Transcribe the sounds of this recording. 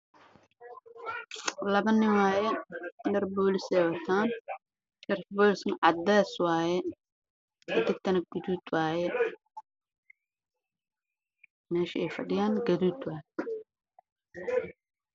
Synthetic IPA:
lɐβɐnːɪwɑːjɛnɐrbɔːlɪsɛːwɐt̪ʰaːn | ʃɐrfbɔːlɪsɐnʕɑd̪ɛːswaːjɛ | ʔɐd̪ɪɡ̚t̪ʰɐnɐɡ̥ʊd̪uːd̪waːjɛ | mɛːʃɐɛjfɐɖɪjaːnɡɐðuːd̪waːjɛ

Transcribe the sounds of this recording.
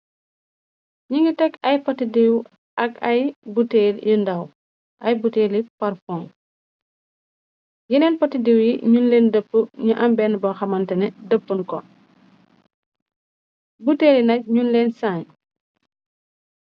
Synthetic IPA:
ɲiŋɡətɛkɐjpɔtidiw | ɐkɐjbuteːljindɐw | ʔɐjbuteːlipaɾfɔŋ | jinɛːnpɐtidiwjiɲunlɛːndəpːəɲuʔɐmbɛnbɐxɐmɐntɛnɛdəpːunkɔ | buteːlinɐc̚ɲunlɛːnsaːɲ

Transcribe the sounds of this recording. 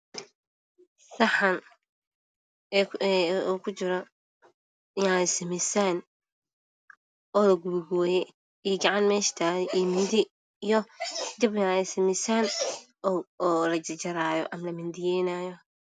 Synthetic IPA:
sɐħɐn | uːkʰʊt͡ʃɪɾɔ | janɛsɪmɪsaːn | ɔːlɐɡʊβʊɡuːjɛ | ijɡɑʕɑnmɛːʃt̪ʰaːɣɛʔimɪnd̪ɪ | ijɔd̪ɪbjaːnɛsɪmɪsaːn | ɔːlɐt͡ʃɪt͡ʃɐɾaːjɔ̰ʔɐmɐlɐmɪnd̪ɪjɛːnaːjɔ

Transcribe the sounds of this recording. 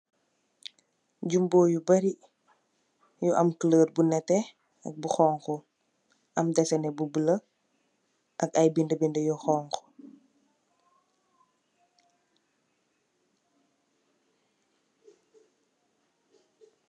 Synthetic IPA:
ɟumboːjubɐɾi | juʔɐmkələːr̚bunɛtːɛ | ɐ̰k̚buxɔːŋxɔ | ʔɐmdɛsɐnɛbubələ | ʔɐkɐjbindəbindəjɔxɔːŋkɔ̥

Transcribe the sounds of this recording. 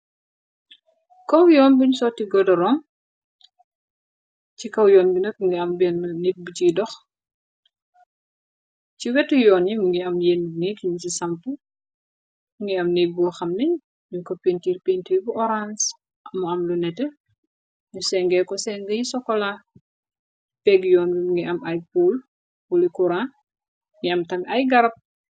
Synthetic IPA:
kɐwjɔːnbiɲusɔtiɡɔdɔɾɔŋ | cikɐwjɔːnbinɐk̚ŋɡiɐmbɛnnik̚butidɔx | ciwɛtːujɔːnjimuŋɡiɐmjenːŋikiɲusisɐmpu | muŋɡiɐmnek̚bɔxɐmnɐɲ | ɲukɔpentiːɾpentiɾbuʔɔɾans | muɐmlunɛtɛ | ɲusɛŋɡɛkɔsɛŋɡɐjisɔkːɔla | pɛɡjɔːnbimuŋɡiʔɐmɐjpul | wulikuɾan | ŋɡiɐmtɐmɐjɡɐɾɐp̚

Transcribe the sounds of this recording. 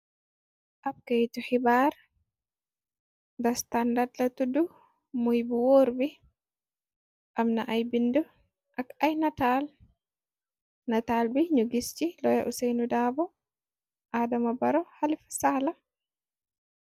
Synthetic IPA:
ʔab̚kejt̪uħibaːɾ | dɐst̪andadlɐt̪udu | mujbuwoːɾbi | ʔamnaʔajbindɔ | ʔakajnataːl | nataːlbiɲuɡist͡ʃilɔjaʔusɛjnudaːbɔ | ʔaːdɐmɐbɐɾɔhalifḁsala

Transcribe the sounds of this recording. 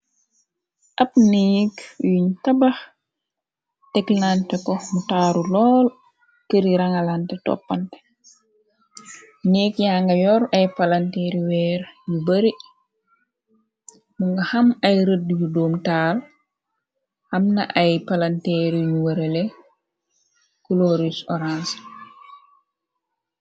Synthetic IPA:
ʔɐp̚niːkjuɲtɐbax | tɛklantɛkɔmutaːɾulɔːl | kəɾiɾaŋalantɛtɔ̰pːantɛ̥ | niːkjaːŋɡɐjɔɾɐjpalantɛɾiwɛːɾjubaɾi | muŋɡahamajɾədːijudoːmtaːl | hamnaʔajpalantɛɾijuwaɾele | kuloɾisɔɾans

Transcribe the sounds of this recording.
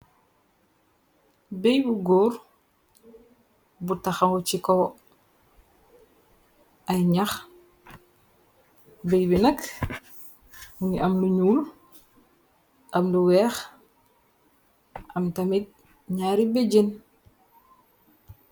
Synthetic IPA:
bejbuɡoːɾ | butɐxɐŋkɔt͡ʃikɔw | ɐjɲax | bejbinɐk | uŋiʔɐmluɲuːl | ʔɐmluwɛːx | ʔɐmtɐmit̚ | ɲaːɾibeɟen

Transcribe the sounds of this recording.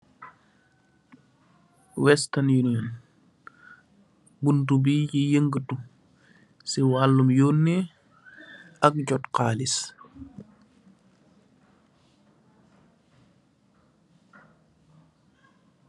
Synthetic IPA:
wɛstɐnjuniɔn | buntubiːɟijəŋɡətu | siwaːlːumjoːnːɛ | ɐk̚ɟɔtqaːlis

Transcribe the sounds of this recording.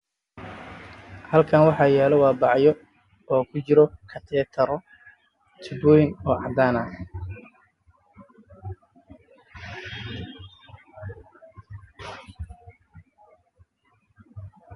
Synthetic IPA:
hɐlkʰɐnwɑħɑːjɛːlɔwɑːbɑʕjɔ | ɔːkʰʊt͡ʃɪɾɔkʰɐt̪ʰɛːt̪ʰɐɾɔ | t͡ʃ̪ʰɪbuːjnɔːʕɑd̪aːnɐ

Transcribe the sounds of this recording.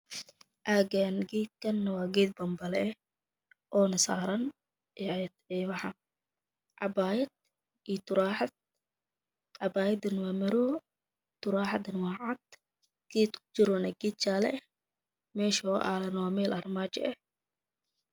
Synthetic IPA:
ʔaːɡanɡiːt̪̚kʰɐnːɐwaːɡɛːd̪̚bɐmbɐlɛɛ | ʔɔːnɐsa̰ːɾɐn | ɛt̪ɛβɑħɑ | ʕɑbaːjɐd̪̚ | it̪ʊɾaːħɑd̪̚ | ʕɑbaːjɐd̪ɪnwaːmɐɾuː | t̪ʊɾaːħɑd̪ɪnwaːʕɑd̪ | ɡ̥iːt̪ʊ̥t͡ʃɪɾɔnɐɡiːt̪̚t͡ʃaːlɛ̰ | mɛːʃɔʔa̰ːlɐnwaːmɛːlʔɐrmaːt͡ʃɛ̰ʔɛ

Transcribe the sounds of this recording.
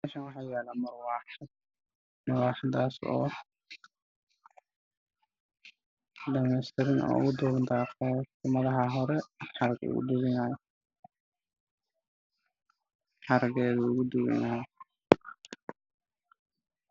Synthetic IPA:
aʃɐnwɑħɑːjaːlaːmɐrwɑːħd̪̚ | mɐwɑːħɑd̪aːsɔ̰ː | ɖɐmɛjst̪ʰɛɾɪnɔ̰ːʊ̰ɣʊd̪ɔːɣnt̪ʰaːɔʊmɐðɐɦɐɦɔɾɛħɑɾɡʊ̰ɣṵd̪ʊɣɪnaːjɔ | ħɑɾɡɛːðʊʊɣʊd̪ʊwɪ̰naːjɔ

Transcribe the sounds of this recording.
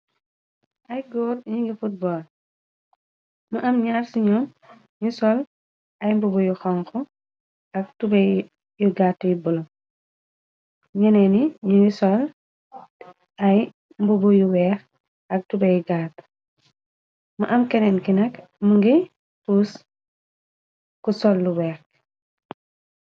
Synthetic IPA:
ʔɐjɡɔːrɲiŋɡɛfut̚bɔːl | mɐʔɐmɲaːrsiɲɔːn | ɲusɔl | ɐjmbɔbɔjuxɔŋkɔ | ɐk̚tubɛ | juɡaːtːujibɔlɔ | ɲɐnɛniɲujusɔl | ʔɐj | mbubujuwɛːx | ɐk̚tubɐjɡaːt | mɐʔɐmkɛnɛnkinɐk | muŋɡɛ | puːs | kusɔlːuwɛːx

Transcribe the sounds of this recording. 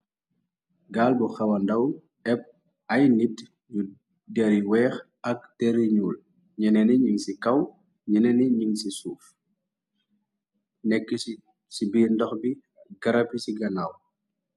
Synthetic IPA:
ɡaːlbuxɐwɐndɐw | ɛp̚ | ɐjnit | ɲu | dɛɾiwɛːx | ɐk̚tɛɾiɲuːl | ɲɛnɛniɲiŋsikɐw | ɲɛnɛniɲiŋsisuːf | nɛkːə | sibiːndɔxbi | ɡɐɾɐpisiɡɐnaw

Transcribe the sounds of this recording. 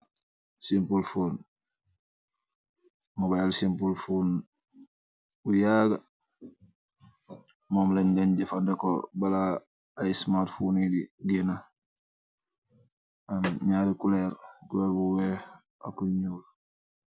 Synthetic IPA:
simpulfuːn | mubajalsimpulfun | ujaɡa | momleɲɟaɲɟefandeko̰balaː | ismaːtfunidiɡina | amɲaːɾikuleɾkuleɾbuwe | a̰kːuɲul

